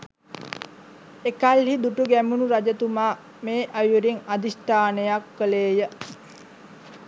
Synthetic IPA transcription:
ekalhid̪uʈuɡæmunuɾad͡ʒət̪umaː | meːʔajuɾiŋad̪isʈaːnejakːəleːjə

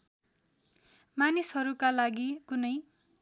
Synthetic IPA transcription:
manisɦʌɾukalaɡikunʌj

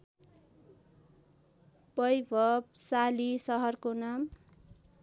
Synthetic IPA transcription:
bʌjbʱʌbsalisʌɦʌrkonam

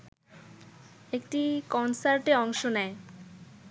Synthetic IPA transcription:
ekʈikɔnsaɾʈeɔŋʃonɛe

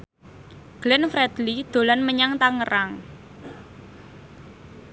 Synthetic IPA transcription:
ɡ̥lɪnfɾɛd̪̥lid̪̥o̤lanməɲaŋt̪aŋəɾaŋ

